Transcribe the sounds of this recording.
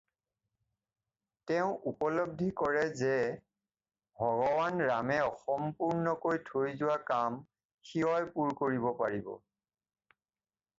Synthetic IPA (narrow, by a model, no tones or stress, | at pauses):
tɛʊ̃ʔupɔlɔb̚dʱikɔɹɛzɛ | bʱɔɡɔwanɹamɛɔxɔmpuɹnɔkojtʰoɹizʊwakam | xiɦɔjpuɹkoɹibɔpaɹibɔ̰